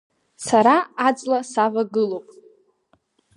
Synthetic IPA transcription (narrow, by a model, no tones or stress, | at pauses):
saɾaːd͡zʼlasavaɡɨlowpʼ